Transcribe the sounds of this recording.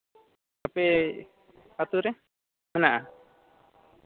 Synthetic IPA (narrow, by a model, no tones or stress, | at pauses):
apɛ | at̪uɾɛ | mɛnaʔa